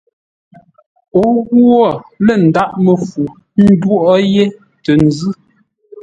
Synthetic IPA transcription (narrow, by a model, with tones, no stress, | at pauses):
o˦ɣu˦ɔ˦˨lə˨n̩˨da˦ʔmə˨fu˨ | n̩˦dwo˦ʔɔ˦je˦ | tə˨n̩˨zʉ˦˨